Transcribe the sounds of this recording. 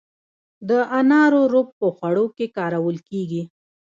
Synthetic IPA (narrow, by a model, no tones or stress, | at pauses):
d̪əanɑɾoɾop̚pəxwaɽokekɑɾawəlkeɡi